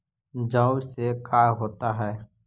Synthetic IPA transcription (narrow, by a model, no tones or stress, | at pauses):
d͡ʒãʊsekaːɾɦoːt̪aɦɛː